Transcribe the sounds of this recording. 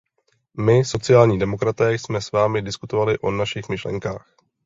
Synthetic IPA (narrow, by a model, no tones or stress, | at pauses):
mɪso̞t͡sɪjaːlɲiːdɛmo̞kɾat̪ɛːsmɛsvaːmɪdɪskut̪o̞valɪʔo̞naʃɪxmɪʃlɛ̰ŋka̰ːx